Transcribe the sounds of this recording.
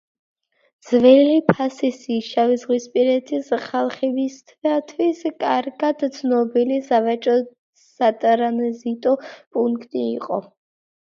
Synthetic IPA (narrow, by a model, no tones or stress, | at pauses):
d̪z̥vɛlipʰasisiʃavɛzʁwispʼiɾɛt̪ʰisχalˠχɛbist̪ʰvat̪ʰwiskʼaɾɡad̪t̪sʰnɔbilisavat͡ʃʼɔ | sat̪ʼɾanɛzit̪ʼɔpʼuŋkkʼt̪ʼiːqʼɔ̰